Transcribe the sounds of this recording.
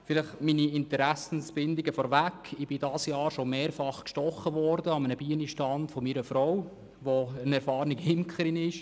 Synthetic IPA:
fɪlɪχminiɪntəɾæsn̩sb̥ɪndiɡəfɔːɾʋækʰːɪb̥ɪdɑsjɑːɾʃomeːɾfɑχkʃtɔχːəʋɔɾdəɑmənəb̥iəniʃtɑndfɔmiːɾəfɾɔw | ʋoənɛɾfɑːɾniɡhɪmkχəɾinɪʃ

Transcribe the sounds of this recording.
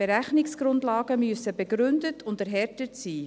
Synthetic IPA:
b̥eɾæχnɪksɡ̥ɾʊndlɑːɡ̥əmyəsəbɛɡɾʏndətʰʊndəɾɦɛɾtətsiː

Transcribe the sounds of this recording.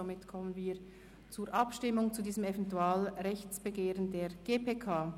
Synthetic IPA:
omɪtkʰɔmənviːɾ | t͡suːɾʔɑpʃtɪmʊŋt͡sudiːzəmɛvɛntuaːlʁɛçt͡sb̥əɡeːʁəndeːɾɡ̥eːpʰeːkʰaː

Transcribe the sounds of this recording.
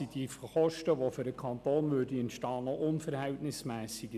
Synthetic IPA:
id̥iχɔʃtəʋofyɾəkʰɑntoːnmydiɛntʃtɑːnɔʔʊnfəɾhɛltnɪsmɛːsiɡ

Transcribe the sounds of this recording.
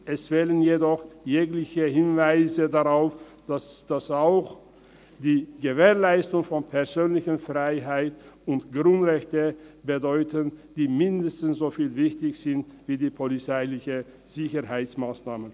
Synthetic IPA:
ʔɛsv̥ɛlənjedɔχjeːklɪçəhɪnvaɪzədaʁaʊfd̥asd̥asaʊx | d̥iːɡəveːɐlaɪstʊŋfɔnpʰɛɐzøːnlɪçənfʁaɪɦaɪtʊntɡ̥ʁʊntʁɛçtəbədɔʏtənd̥iːmɪndəstn̩sz̥oːfiːlvɪçtɪçz̥ɪntviːdiːpʰɔlit͡saɪlɪçə | z̥ɪçəɦaɪsmaːsnaːmən

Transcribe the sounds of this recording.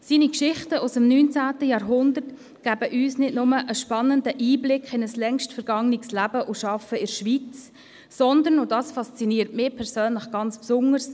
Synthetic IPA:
siːnikʃɪχtəʔusəmnyːnt͡sæːtəjɑːɾɦʊndərt | ɡ̥æbəʔyːsnɪtnʊməʔəʃpɑnːəndəʔiːblɪkχɪnəslɛŋʃtfɛɾɡ̥ɑŋnɪkslæbəʔʊʃɑfəɪɾʃʋit͡sː | ɔnd̪ənʊdɑːsfɑst͡siniːtmɪːpʰɛɾsøːnləχɡ̥ɑnt͡spsʊŋəɾs

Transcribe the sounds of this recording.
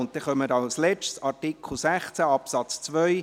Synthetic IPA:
ʊnt̚t̪ɛχœməɾɑlslɛt͡ʃtsɑɾtɪkʰl̩ˠsæχt͡sæɑpsɑt͡st͡sʋœʏ

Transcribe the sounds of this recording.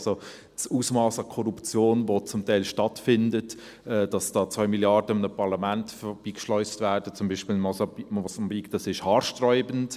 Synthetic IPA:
so | suːsmɑːsɑkʰɔɾupt͡sjoːnʋot͡sʊmtaɪlʃtɑtfɪndət | ɛːd̥ɑsd̥ɑːt͡svœʏmiljɑɾdəɪmnəpʰɑɾlɑmæntfb̥iːkʃlɔʏstvæːɾd̥ət͡sʊmbiːʃpɪlmɔmɔsɑmbikd̥ɑsɪʃhɑːɾʃtrɔʏbənt

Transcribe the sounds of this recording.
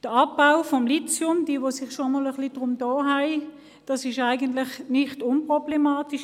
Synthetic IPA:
d̥əɑpːaʊfɔmlit͡sjʊmd̥iːʋosɪχʃomɔləχlid̥ʁʊmdɔːɦæɪ | d̥ɑsɪʃaɪɡəntlɪχnɪχtʊnpʁ̥ɔb̥lemaːtiʃ

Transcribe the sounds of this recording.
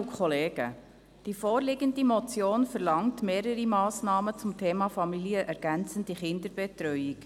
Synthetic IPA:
ukχɔleːɡ̥ə̰ | d̥ifɔːɾlɪɡəndimɔt͡sjoːnfəɾlɑŋtmeːɾəɾimɑːsnɑːmət͡sʊmtʰeːmɑfɑmiliəʔɛɾɡ̥ænt͡sən̩diχɪnd̪əɾb̥ɛtɾœʏik

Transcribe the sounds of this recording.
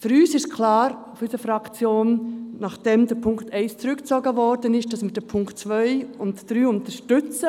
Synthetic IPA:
fyɾyːsɪʃkʰlɑːɾʊfysəfɾɑkt͡sjoːnnɑχd̥ɛmdəɾpʰʊŋktɛɪst͡sɾʏkt͡sɔɡəvɔɾdənɪʃd̥ɑsmɪːdɛpʰʊŋktt͡sʋœʏʊntd̥ɾyːʊntəʃtʏt͡sə

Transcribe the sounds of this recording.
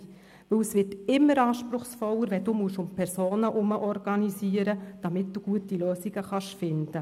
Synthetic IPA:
ʋɵwəsʋɪtɪmːəɾɑːʃpɾʊχsfɔwəɾʋɛd̥uːmuəʃʊmpʰɛɾsoːnəʔʊməʔɔɾɡ̥ɑnisiəɾəd̥ɑmɪt̚d̥uɡ̥uətiløːsiɡ̥əχɑʃfɪnd̥ə

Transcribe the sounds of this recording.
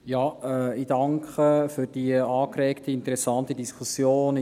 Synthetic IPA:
jɑːɛidɑŋkχəfyɾd̥iəɑːkɾɛːktəɪntəɾɛsɑntədiskʰusjoːn

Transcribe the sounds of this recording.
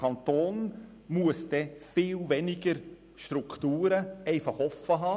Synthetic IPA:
ɑnt̪oːn | muəsd̥ɛfɪːlʋɛnɪɡəɾ | ʃtɾukʰt̪uːɾəɛɪfɑχɔfːəɦɑː

